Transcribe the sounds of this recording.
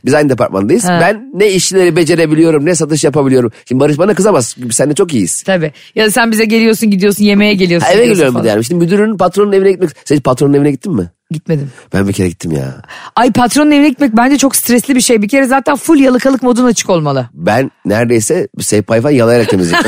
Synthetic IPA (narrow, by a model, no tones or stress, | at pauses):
bizajnɯd̪e̞pʰa̰ɾt̪ma̰nd̪ajɯz̥bænːɛiʃilʲeɾibe̞d͡ʒe̞ɾe̞bilʲijo̞ɾumnɛs̬at̪ɯʃ̬japabilʲijo̞ɾumʃind̪ibaɾɯʃ̬banakɯzamazibisænd̪ɛt͡ʃʰo̞k̬ijist̪ʰabi | jad̪asænbizɛɟe̞lʲijo̞ɾsunɟid̪ijo̞ɾsunje̞me̞jɛɟelʲijo̞evɛɟelijoɾumbid̪ɛjanʲmʃinimyd̪yɾynynpat̪ɾo̞nune̞vinɛɟit̪mɛcssed͡ʒpat̪ɾo̞nuevinɛɟit̪ʰːimːɪ | ɟit̪me̞d̪imb̥æ̰nbicʰe̞ɾɛ̰ɟit̪ʰːimja̰ːajpʰat̪ɾo̞nune̞vinɛɟit̪mɛc̚bænd͡ʒɛt͡ʃʰo̞kst̪ɾɛslʲibiʃe̞jbicʰe̞ɾɛzaːt̪ʰænfulʲjalˠɯkʰalˠɯkmo̞d̪unat͡ʃʰɯ̥ko̞lˠmalˠɯbænːæɾd̪e̞jsɛbsevpʰajfajalˠajaɾak̚emizi